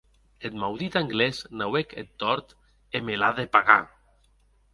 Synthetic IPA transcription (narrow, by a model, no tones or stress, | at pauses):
et̪mawðit̪aŋɡlesnaweket̪ːɔɾt̪ | emelaðepaɣa̰